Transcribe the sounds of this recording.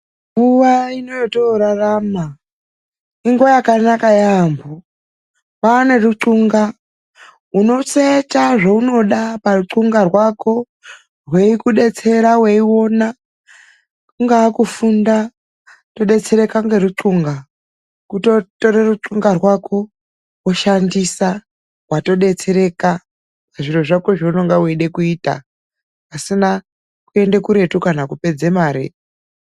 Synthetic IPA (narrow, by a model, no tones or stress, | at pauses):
ŋɡuwaino̞jotoɾaraːma | iŋɡojakanakajambo | pane̞ruǀuŋɡa | uno̞t͡setaʐouno̞ɗaparuǀuŋɡarwako̞ | rwe̞ikuɗe̞t͡se̞ɾawe̞iwo̞na | kuŋɡaːkufunda | to̞ɗe̞t͡se̞ɾe̞kaŋɡeruǀuŋɡa | kuto̞to̞ɾeruǀuŋɡarwakʰo̞ | woʃandisa | wato̞ɗe̞t͡se̞ɾe̞ka | aʐiro̞ʐako̞ʐounoŋɡaweiɗe̞kuiːta̰ː | sina | kue̞ndekuɾe̞tukanakupe̞d͡zemaːɾḛ